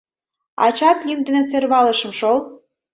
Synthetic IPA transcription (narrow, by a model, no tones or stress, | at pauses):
ɑ̰t͡ɕɑt̪jynd̪ə̆neserβɑlə̆ʃə̆mʃol